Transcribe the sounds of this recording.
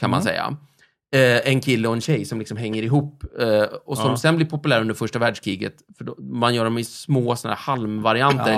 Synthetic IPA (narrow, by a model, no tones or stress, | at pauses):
kʰanma̰nsɛ̰jːa̰ | ɛnkʰɪlːəɔɛnɕɛjsɔmlɪksɔmɦɛŋːəɾɪɦuːpː | ɔsɔmsɛnblɪɾpʰʊpɵlæːɾɵnd̪əɾfœʂʈavæːɖʂkʰɾiːɡə̰t̪fœɖɔmanjœːɾaɔmɪsmoːsɔnæ̰ːɾhalmvaɾɪant̪əɾ